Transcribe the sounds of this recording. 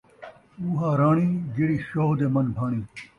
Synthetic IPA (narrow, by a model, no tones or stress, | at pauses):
uːɦaːɾaːɳ̃iːɡiɽiːɕoːɦd̪emɐnbʱaːɽ̃iː